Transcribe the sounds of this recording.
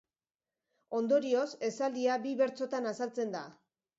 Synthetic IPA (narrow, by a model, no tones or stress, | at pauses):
o̞nd̪o̞ɾio̞se̞sald̪iabiβe̞ɾt͡so̞t̪anasalt͡se̞nd̪a̰